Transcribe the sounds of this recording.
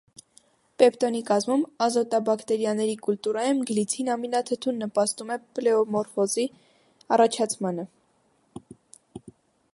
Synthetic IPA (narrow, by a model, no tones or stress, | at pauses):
pɛpt̪ɔnikɑzmumɑzɔt̪ɑbɑkt̪ɛɾjɑnɛɾikult̪uɾɑjumɡəlit͡sʰinɑminɑt̪ʰət̪ʰunːəpɑst̪umɛplɛɔmɔɾfɔzi | ɑrɑt͡ʃʰɑt͡sʰmɑnə